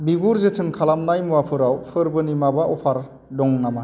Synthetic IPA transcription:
biɡuɾzetʰɯnkʰalamnajmuapʰɯɾawpʰɯɾbɯnimabaʔɔpʰaɾ | dɔŋnama

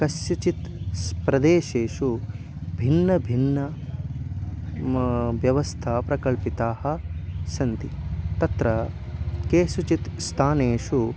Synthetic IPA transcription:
kɐsjut͡ʃit̪spɾɐd̪eːʃeːʂu | bʱinːɐbʱinːɐ | ʋjɐʋɐst̪ʰaːpɾɐkɐɭpit̪aːhɐ̆sɐnt̪it̪ɐt̪ɾɐ | keːʃut͡ʃit̪st̪ʰaːneːʂu

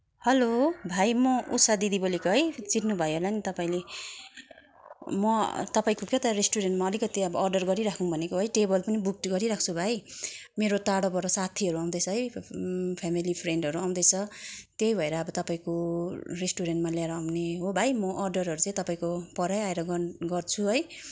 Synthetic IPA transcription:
hʌlobʱajmʌʔṵsad̪id̪ibʌlikoɦʌjt͡siʈnubʱʌjɦolanit̪ʌpaĩle | mʌt̪ʌpaĩkokot̪ʌɾesʈuɾenʈmaʌlikʌt̪iʌbʌːrɖʌrɡʌɾiɾakʰuŋbʱʌnekoɦʌjʈebʌlpʌnibuk̚ʈɡʌɾiɾak̚ʰt͡sʰubʱajmeɾot̪aɽopʌɾʌsat̪ʰiʌɾuaw̃d̪ʌt͡sʰʌɦʌj | pʰamilipʰreɳɖʌɾuaw̃nd̪ʌjt͡sʰʌt̪jejbʱʌeɾʌːbʌt̪ʌpaĩkoresʈuɾenʈmaljaeɾʌːwneɦobʱajmʌʔʌrɖʌrɦʌɾut͡sãj̃t̪ʌpaĩkopʌɾajaeɾʌɡʌnɡʌrt͡sʰuɦʌj

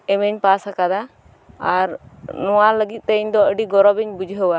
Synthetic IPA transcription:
ɛməɲpasakad̪a | aɾnɔwaləɡit̪̚ˀt̪əiɲd̪ɔəɖiɡɔɾɔbɛɲbud͡ʒʱɦəwa

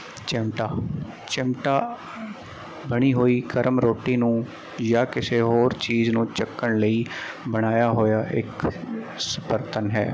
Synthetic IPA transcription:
t͡ʃɪmʈaː | t͡ʃɪmʈaː | bəɽ̃iːɦoːiːkəɾəmɾoːʈiːnũː | jaːkɪseːɦoːɾt͡ʃiːznũːt͡ʃəkːəɳləiː | bəɽ̃aːjaːɦoːjaːʔɪk | səpəɾt̪ənɦɛ̰ː

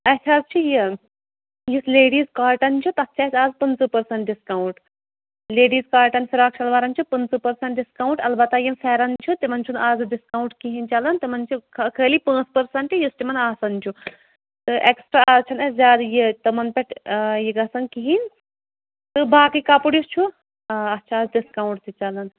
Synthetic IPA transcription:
ɐsʰaːzt͡ʃʰiji | jisleːɽiːzkaːɾʈɐnt͡ʃʰut̪ɐst͡ʃʰaːsʲaːzpɐnt͡sɨpɐɾsɐɳʈ̚ɖiskɐwuɳʈ | leːɖiːzkaːɾʈɐnfʲiɾaːkʃʰɐlʋaːɾɐnt͡ʃʰupɐnt͡sɐpɐɾsɐɳʈɖiskauɳʈɐlbɐt̪ːajimfeːɾɐnt͡ʃʰut̪imɐnt͡ʃʰunaːzɨɖiskɐwũɳʈkiɦint͡ʃalɐnt̪imɐnt͡ʃʰikʰkʰəːlipãːt͡spɐɾsɐɳʈijisʈimɐnaːsɐnt͡ʃʰu | t̪ɨʔeksʈɾaʔaːzt͡ʃʰɐnɐzʲjaːd̪jet̪ɐmɐnpʲeʈjiɡɐsɐnkiɦin | t̪ɨbaːkikaːpuɽjust͡ʃʰu | ɐtːt͡ʃʰaaːzɖiskawɳʈt̪it͡ʃɐlɐn

